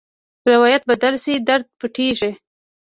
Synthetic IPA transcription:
ɾɪwɑjat̪̚bad̪alsid̪aɾd̪̚pəʈeʒe

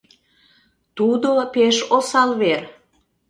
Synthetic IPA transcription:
t̪ud̪opeʃosɑlβer

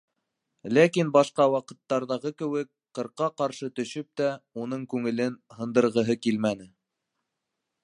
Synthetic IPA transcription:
lækinbɑʃqɑwɑqɤ̆t̪ːɑɾðɑʁɤkɘ̆wɘk̚ | qɤ̆ɾqːɑqɑɾʃɤt̪ɵ̆ʃɵp̚t̪æun̪ɤɴkʉŋɘ̆lɘnhɤ̆nd̪ɤ̆ɾʁɤ̆ɦɤkilmænɘ

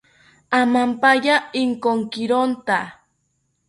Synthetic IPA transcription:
amampajaɪŋkoŋkɪɾont̪a

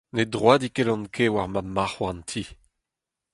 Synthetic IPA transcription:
nedʁwaːdikelɑ̃nkʰewaʁmamaχwant̪ʰi

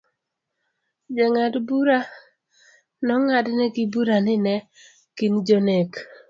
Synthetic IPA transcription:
d͡ʒeŋadbuɾa | nɔŋadnɛɡɪbuɾanɪnɛ | kind͡ʒonek

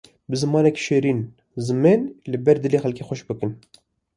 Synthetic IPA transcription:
bɨzɨmɑːnɛkʲʃeːɾiːn | zɨmenlɨbɛɾd̪ɨleːxɛlkeːxʷɛʃbɨkɨn

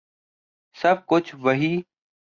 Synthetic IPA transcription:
səb̚kʊt͡ʃʰʋəɦiː

